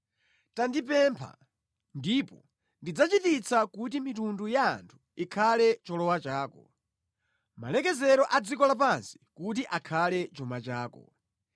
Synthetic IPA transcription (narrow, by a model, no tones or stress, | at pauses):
tandip̬ɛmpʰa̰ | ndipɔ | ndid͡zat͡ʃitit͡sʰakutimitunduja̰ːntʰu̥ikʰalɛt͡ʃɔlɔwat͡ʃaːkɔ | ma̰lɛkɛzɛɾɔʔad͡zikɔlap̬ansi̥kut̬iʔakʰalɛt͡ʃɔmat͡ʃaːkɔ̰